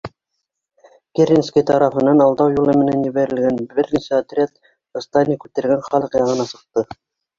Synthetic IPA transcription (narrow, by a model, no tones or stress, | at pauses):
kʲerʲinskʲijt̪ɑɾɑfɤ̆nːɑnɑlˠd̪ɑwjulˠɤ̆mɘ̆nænjɘ̆βæɾɘ̆lɡænbɘɾnisæɑt̪rʲat̪ | ɤ̆st̪ɑnʲikʉt̪ɘ̆ɾɡænχɑlˠɤqjɑʁɤ̆nɑsɤ̆q̚t̪ɤ